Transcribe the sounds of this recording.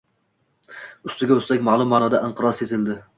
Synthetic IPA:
ʊst̪ɪɡʲaɵst̪akʲmaːlˠʊmːanɒd̪aʔɪɴqʰɨɾɒse̞zɪld̪ɪ

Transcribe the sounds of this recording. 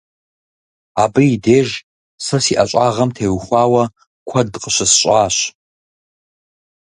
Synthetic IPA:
aːbɨideːʒ | sɨsiʔaɕʷʼaːʁɐmtʰeːwxʷaːwɐ | kʷʰɐdqʼəɕʷɐsɕʷʼaːɕ

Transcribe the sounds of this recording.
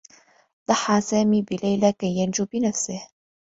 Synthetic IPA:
d̪ˤɑħːɑːsaːmiːbɪlajlakajːand͡ʒuːbɪnafsɪh

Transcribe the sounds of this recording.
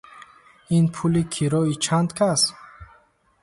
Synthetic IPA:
inpʰulikʰiɾɔit͡ʃʰand̪kʰas

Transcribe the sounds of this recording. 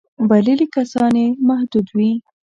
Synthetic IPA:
balilikasɑnemahd̪ud̪wi

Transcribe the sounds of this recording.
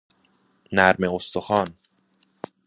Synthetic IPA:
næɾmeost̪oxɒːn

